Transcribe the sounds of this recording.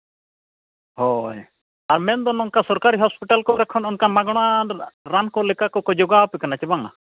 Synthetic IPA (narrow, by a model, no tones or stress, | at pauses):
hɔj | aɾmɛnd̪ɔnɔŋkasɔɾkaɾiɦɔspiʈalkɔɾɛkʰɔnɔnkamaɡɔɽ̃aɾankɔlɛkakɔkɔd͡ʒɔɡapɛkanat͡ʃɛbaŋa̰